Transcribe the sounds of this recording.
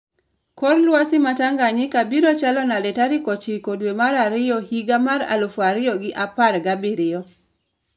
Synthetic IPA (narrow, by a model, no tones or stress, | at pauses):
kɔrlwasɪmataŋɡaɲɪkabiɾɔt͡ʃalɔnalɛtaɾikɔt͡ʃikodwemaɾaɾɪjɔhiɡamaɾa̰lofwaɾɪjɔɡɪʔaparɡabiɾɪɔ